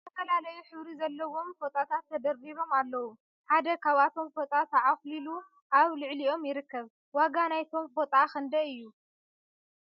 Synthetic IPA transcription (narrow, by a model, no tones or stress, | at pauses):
t̪ʰɐfɐlalɐjuħɨβɾizɐlːɐwo̞mfot̪ʼat̪ʰat̪ʰːɐd̪ɐriβo̞malːɐwu | ħad̪ɐkʰaβat̪ʰo̞mfot̪ʼat̪ʰɐʕaxlilu | ʔaβlɨʕlio̞mjɪɾɨkːɐβ | waɡanajt̪ʰo̞mfot̪ʼaxɨnd̪ɐɨjːu